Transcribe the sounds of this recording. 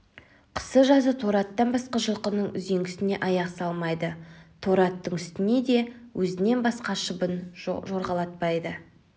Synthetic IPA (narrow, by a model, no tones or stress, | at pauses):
qʰə̥səʒɑzət̪ʰo̞ɾɑt̪ːɑnbɑsqɑʒəlˠqənəɴʏ̰zeŋɡʲɪsɪne̞ʔɑjɑqsɑlˠmɑjd̪ət̪ʰo̞ɾɑt̪ːəɴʏst̪ɪne̞d̪e̞wʔɵzɪne̞nbɑsqɑʃəbənʒo̞ɾʁɑlˠɑt̪̚pɑjd̪ə